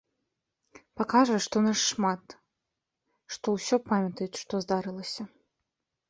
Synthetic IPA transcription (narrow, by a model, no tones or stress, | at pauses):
pakaʐɛʂt̪ɔnaʂːmat̪ | ʂt̪ɔwsʲɔpamʲɐt̪ɐjut͡sʲʂt̪ɔzd̪aɾɨlˠɐsʲɐ